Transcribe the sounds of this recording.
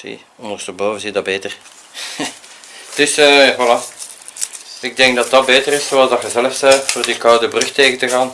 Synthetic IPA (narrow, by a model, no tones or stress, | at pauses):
sḭ | ɔndərstəboːvənzidɑbeːtər | d̥ɵsəvɑlaː | ɪɡ̚dɛŋɡ̚dɑt̚dɑt̚beːtərɪssoɑlˠzdɑxəzɛləfsɛjtfoːrdikɑwdəbrʏxteːɣəntəɣaːn